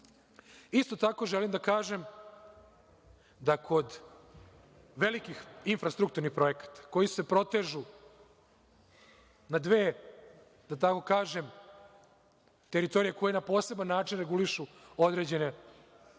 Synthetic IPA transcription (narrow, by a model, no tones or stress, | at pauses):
ist̪o̞t̪ako̞ʒelimd̪akaːʒe̞m | d̪akʰo̞d̪ | ʋe̞likixiɱfɾast̪ɾukt̪uɾnixpɾo̞je̞kḁt̪ḁko̞jise̞pɾo̞t̪eːʒu | nad̪ʋeː | d̪̥at̪ako̞kaːʒe̞m | t̪eɾit̪o̞ɾijeko̞jenapo̞ːse̞banːaːt͡ʃinɾeɡuliʃuo̞d̪ɾed͡ʑe̞ne̞